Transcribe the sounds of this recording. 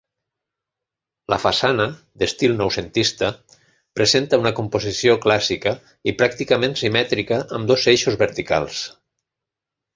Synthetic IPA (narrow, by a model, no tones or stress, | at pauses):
lʔə̰fasanə | d̪est̪ilˠnɔwsent̪ist̪ə | pɾezent̪əunəkumpozisioklasikə | ipɾak̚t̪ikəmẽnsimɛt̪ɾikəʔːmd̪ozeʃuzβəɾt̪ika̰lˠs